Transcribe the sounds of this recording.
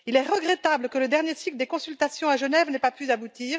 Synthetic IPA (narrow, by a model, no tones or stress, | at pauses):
ilɛʁəɡʁɛt̪abləkələd̪ɛʁnjesikləd̪ekɔ̃sylt̪asjɔ̃aʒənɛvnɛpapyzabut̪iːʁ